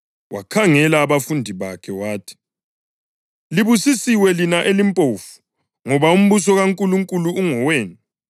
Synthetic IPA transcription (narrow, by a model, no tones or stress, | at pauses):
wakʰaŋɛlaːβafundʱiβakʰɛwaːtʰi̥ | liβusisiwɛlinaʔelimpʼoːfu̥ | ŋɔβaum̩βusɔɣaŋkʼuluŋkʼuluːŋɔweːni